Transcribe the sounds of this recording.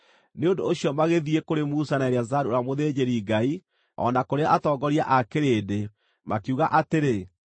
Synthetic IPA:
neondoːɕjɔmaɣeðiekoɾemusanaeɾeazaɾuoɾamoðeːd͡ʑeɾiɡai | ɔ̰nakoɾeaʔatɔɡɔɾia̰ʔakeɾeːde | makuɣaʔateɾe

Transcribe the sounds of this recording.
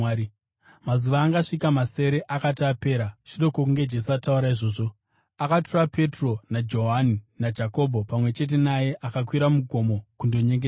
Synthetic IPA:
mazuʋaːŋɡaʂikamase̞ɾe̞ʔakatiape̞ːɾaʐiɗo̞kok̬uŋɡe̞d͡ʒe̞s̬uatauɾaiʐo̞ːʐo̞ | akaturape̞tro̞nad͡ʒo̞ɦaninad͡ʒako̞bʱo̞pamwe̞t͡ʃe̞t̬e̞naje̞ʔakakwiɾamuɡʱo̞mo̞kundo̞ɲeŋɡea

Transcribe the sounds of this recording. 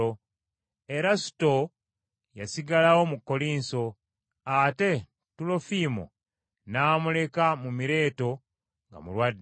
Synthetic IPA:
o | e̞ɾasu̥to̞ | jasiɡalawo̞mukːo̞liːnso̞ | ate̞ | tulo̞fiːmo̰ | naːmule̞kamumiɾe̞ːto̞ | ŋɡa̰mulwadː

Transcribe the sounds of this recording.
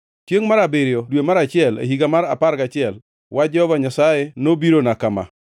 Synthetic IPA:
t͡ʃjeŋmaɾabeɾjɔdwemaɾat͡ʃɪɛlḛɦiɡamaɾa̰paɾɡat͡ʃɪɛl | wad͡ʒɔɔbaɲasajenobiɾonakama̰

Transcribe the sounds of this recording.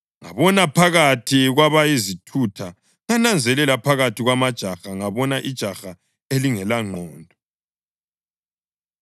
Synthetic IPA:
ŋa̰βɔnapʰaɣatʰiɣwaβajizitʰutʰa | ŋanand͡zʱɛlɛlapʰaɣatʰiɣwamad̥ʒ̥ʱaxaŋaβɔnaʔid̥ʒ̥ʱaxa | eliŋɛlaŋ͡ǃʱɔːndʱɔ

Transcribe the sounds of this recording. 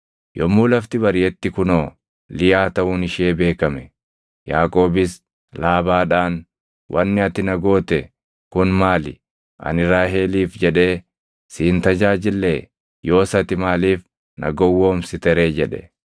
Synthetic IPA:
jɔmːuːlɐft̪ɪbɐɾɪjɛt̪ːɪkʊnoː | lɪjaːt̪ɐʔʊːnɪʃeːbe̞ːkɐmɛ | ja̰ːkʼo̞ːbɪs | laːbaːᶑaːn | wʔɐnːɪɐt̪ɪnɐɡo̞ːt̪ɛ | kʊnmaːlɪ̰ | ʔɐ̰nɪɾaːɦeːliːfd͡ʒɛᶑe̞ː | siːnt̪ɐd͡ʒaːd͡ʒɪlːeː | jo̞ːsɐt̪ɪmaːliːf | nʔɐ̰ɡɔwːoːmsɪt̪ɛɾe̞ːd͡ʒɛᶑɛ̥̰

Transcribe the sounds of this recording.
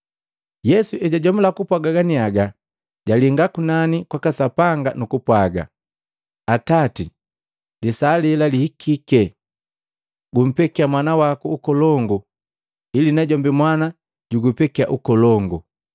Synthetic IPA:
jɛsuʔɛɟaɟɔmulakupwaɡaɡaniaɡa | ɟaliŋɡakunanikwakasapaŋɡanukupwaɡa̰ | atati | lisaːlɛlalihikʰikɛ | ɡum̩pɛkiamwanawakuːkɔlɔŋɡu | ilinaɟɔmbimwana | ɟ̥uɡupɛkiaʔukɔlɔŋɡu

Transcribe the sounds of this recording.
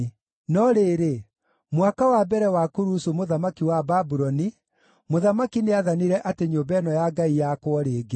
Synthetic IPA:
nɔɾeːɾe | mwakawabɛɾɛwakoɾusumoðamakiwababuɾɔni | moðamakineaðaniɾɛʔateɲobɛnɔjaɡaijakwɔɾeːɡe

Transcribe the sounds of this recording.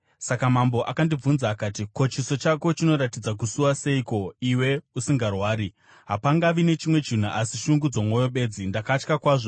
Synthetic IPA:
sakamambo̞ʔakandib͡vunzaːkaːtiko̞t͡ʃiso̞t͡ʃako̞t͡ʃino̞ɾatid͡zak̬usuwase̞iko̞iwe̞usiŋɡarwaːɾi | ɦapaŋɡaʋine̞t͡ʃimwe̞t͡ʃin̤uʔasiʃuŋɡud͡zo̞mwojo̞ɓe̞ːd͡zindakat͡ʃkakwaːʐo̞

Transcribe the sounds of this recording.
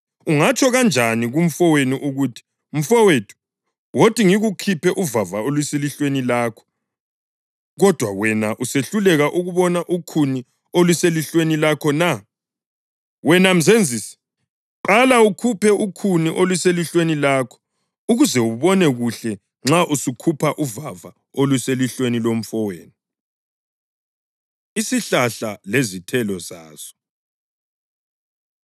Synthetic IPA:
uŋat͡ʃʼʰɔɣand͡ʒʱaniɣum̩fɔweniʔuɣutʰi̥ | m̩fɔwetʰu̥ | wotʰʼiŋiɣukʰipʰɛʔuvavaolwiseliɬwenilaːkʰɔ̥ | ɣɔd̥ʱwa̰wɛnaʔuseɬulɛɣaʔuɣuβɔnaʔukʰuni | olwiseliɬwenilakʰɔna | wɛnam̩zend͡zʱiːsi̥ | ǃalaukʰupʰɛukʰuniʔolwiseliɬwenilaːkʰɔ̥ | uɣuzɛuβɔnɛɣuɬɛ | ŋ͡ǁaʔusukʰupʰaʔuvava | olwuseliɬwenilom̩fɔweːni | isiɬaɬalezitʰɛlɔza̰ːz̥ɔ̥

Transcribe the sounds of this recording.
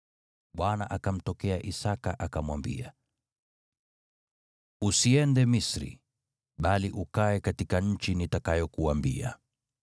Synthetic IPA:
ɓwanaʔakam̩tɔkɛaʔisakaʔakamwambḭa̰ | usiɛndɛmisɾḭ | ɓaliʔukaɛkatikaɲ̩t͡ʃinitakajɔkuambḭa̰

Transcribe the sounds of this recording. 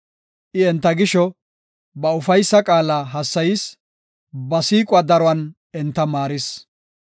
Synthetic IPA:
ʔɪɛnt̪ːɐɡɪʃɔ | bɐʊfɐjsːɐkʼaːlaːɦɐsːɐjɪs | bɐsiːkʼʊwaːd̪ɐɾɔwɐn | ɛnt̪ːɐmaːɾɪs

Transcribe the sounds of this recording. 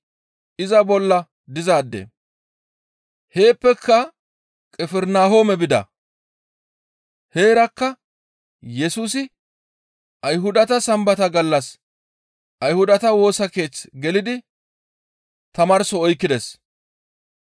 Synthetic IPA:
ʔɪzɐbɔlːɐ | d̪ɪzaːd̪ːḛ | he̞ːpːɛkʰːɐ | kʼɛfɛɾnaːhoːmɛbɪd̪ɐ̰ | he̞ːɾɐkːɐ | jɛsuːsɪ | ʔɐjɦʊd̪ɐt̪ɐsɐmbɐt̪ɐɡɐlːɐs | ʔɐjhʊd̪ɐt̪ɐwo̞ːsɐke̞ːt͡sɡɛlɪd̪ɪ | t̪ɐmɐɾsɔɔjkːɪd̪ɛs

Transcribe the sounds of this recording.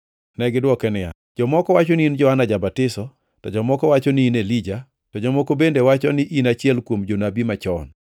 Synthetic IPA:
nɛɡɪdwɔkɛnɪja̰ | d͡ʒɔmɔkɔwat͡ʃɔniind͡ʒɔanad͡ʒabatɪsɔ | tɔd͡ʒɔmɔkɔwat͡ʃɔnɪinelid͡ʒa | tɔd͡ʒɔmɔkobendewat͡ʃɔnɪʔinat͡ʃɪɛlkwomd͡ʒonabimat͡ʃɔn

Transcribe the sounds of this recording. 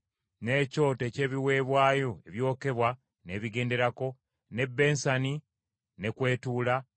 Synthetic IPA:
ne̞ːco̞ːtece̞ːβiwe̞ːβwaːjo̞eβjo̞ːke̞βwa | ne̞ːβiɡe̞ːnde̞ɾako̞ | ne̞bːe̞ːnsani | ne̞kwe̞ːtuːla

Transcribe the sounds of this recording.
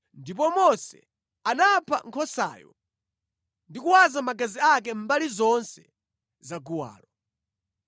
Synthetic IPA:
ndip̬ɔmɔsɛ̰ | anapʰa̰ŋkʰɔsa̰ːjɔ̰ | ndikuwazamaɡaziak̬ɛm̩balizɔnsɛ | zaɡuwa̰ːlɔ

